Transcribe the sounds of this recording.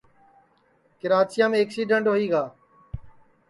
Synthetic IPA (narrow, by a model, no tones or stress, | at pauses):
kɪɾaːt͡ʃɪjãːmẽːəksiːɖəɳʈɦoiːɡaː